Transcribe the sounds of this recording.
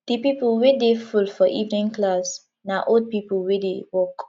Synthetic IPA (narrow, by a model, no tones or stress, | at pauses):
d̪̥ipipəlwedefulfɔʔivnɪ̃ŋklas | naʔod̚pipəlwedewɔk